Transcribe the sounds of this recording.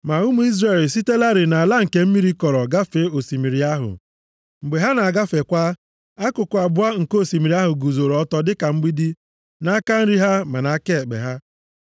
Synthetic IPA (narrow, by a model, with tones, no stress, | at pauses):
ma˨u˦mu˨˦i˦zɾe˨lsi˦te˦la˦ɾɪ˨na˨a˨la˦ŋ̩˨ke˨m̩˦mi˦ɾi˦kɔ˨ɾɔ˨ɡa˦fe˨˦o˨si˨mi˨ɾi˨a˦ɦʊ̰˨ | ŋ͡m̩˨ɡ͡be˨ɦa˦na˨a˨ɡa˦fe˨kʷa˦ | a˦kʊ˨kʊ˨a˨bʊ˦a˦ŋ̩˨ko˦˨si˨mi˨ɾi˦a˦ɦʊ˨ɡu˨zo˨ɾɔ˦tɔ˦dɪ˦ka˨ŋ͡m̩˦ɡ͡bi˦di˦ | na˦ka˦n̩˦ɾi˦ɦa˦ma˨na˨˦ke˦˨k͡pḛ˨ɦa˦